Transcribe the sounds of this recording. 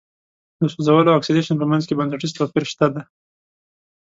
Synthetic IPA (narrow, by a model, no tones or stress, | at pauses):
d̪əsozawəloaksideʃanpəmanzkebansaʈizt̪opiɾʃt̪ad̪a